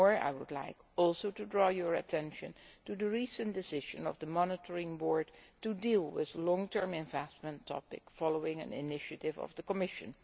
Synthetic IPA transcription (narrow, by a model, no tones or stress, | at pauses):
ɔɹa̰ɪwʊdˡla̰ɪkɔlˠsoʊtudɹɔːjəɹɨ̰tʰɛ̃nʃɨ̰̃ntudəɹisə̃ndɪsɪʒɨ̰̃nɔ̰vðəmɑnɪtʰəɹɪ̃ŋbɔɹdtudilˠwɪðlɔ̃ŋtʰɜ˞mɛ̃ɱvɛstmə̃ntʰːɑ̰pɪ̰kfɑloʊɪ̃ŋɨ̰̃nɪ̰nɪʃɨtɪvʌ̰vðəkəmɪʃɨ̰̃n